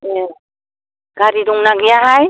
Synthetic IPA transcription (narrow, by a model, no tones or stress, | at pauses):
ɛ | ɡ̥ʱaɾiduŋnaɡɛjaɦaj